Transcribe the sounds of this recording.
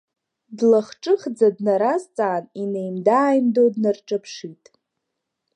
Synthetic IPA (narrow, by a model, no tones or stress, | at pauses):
dlaχʈ͡ʂʼɨχd͡zadnaɾazt͡sʼaːninejmdaːjmdodnarʈ͡ʂʼapʰʂitʼ